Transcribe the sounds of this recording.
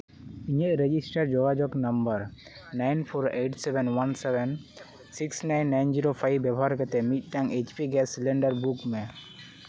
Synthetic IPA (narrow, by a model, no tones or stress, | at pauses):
iɲəʔɾed͡ʒisʈəɾd͡ʒɔɡad͡ʒɔknɐmbəɾ | najnpʰoɾeʈsebɛnwansɛbɛn | siksnajnːajnd͡ʒiɾopʰajbjɛbɔɦaɾkɛt̪ɛmit̪̚ˀʈaŋet͡ʃpiɡɛsilɛɳɖəɾbukme